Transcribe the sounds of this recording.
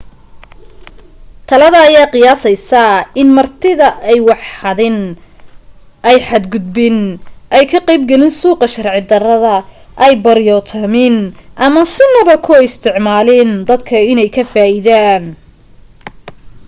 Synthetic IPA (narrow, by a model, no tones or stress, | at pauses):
t̪ʰɐlɐðɐːjaːqɪjaːsɛjsɐɪnmɐrt̪ʰɪðɐɛjwɑħhɐðɪn | ʔɛjħɑd̪ɡʊd̪̚bɪnʔɛjkʰɐqɛjb̚ɡɛlɪnsuːqɐʃɐrʕɪd̪ɐrɐðɐ | ʔɛjbɐɾjɔt̪ʰɐmɪnʔɐmɐsɪnɐβɐkʰɔɪst̪ʰɪʕmaːlɪnd̪ɐd̪kʰɐɪnɛjkʰɐfaːʔɪðaːn